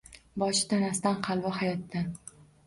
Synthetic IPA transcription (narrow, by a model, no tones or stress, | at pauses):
bɒʃɪ̥t̪ʰanast̪anqʰɑlˠvɒɦajɒt̪ːa